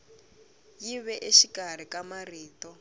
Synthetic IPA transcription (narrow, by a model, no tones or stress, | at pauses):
jiβɛʔeʃikar̤ikamariːtɔ